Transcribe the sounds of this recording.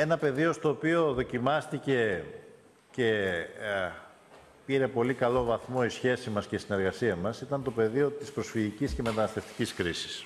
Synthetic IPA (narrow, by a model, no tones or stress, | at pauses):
e̞nɐpe̞ðio̞st̪o̞ːpio̞ðo̞cimɐst̪ice̞ | ce̞ | piɾe̞po̞likɐlo̞vɐθmo̞isçe̞simɐsceist̪ine̞ɾɣɐsiɐmɐsit̪ɐnt̪o̞pe̞ðio̞t̪ispɾosfiʝicisceme̞t̪ɐnɐst̪e̞ft̪i̥ciskɾisi̥s